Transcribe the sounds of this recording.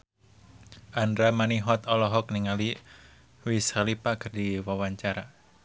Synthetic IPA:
ʔandɾamaniɦɔt̪ɔlɔɦɔk̚niŋali | wisalipakərdiwawaɲt͡ʃaɾa

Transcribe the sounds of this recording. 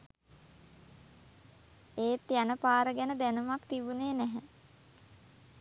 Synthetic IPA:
eːt̪ːjanəpaːɾəɡænəd̪ænumakt̪ibuneːnæɦæ

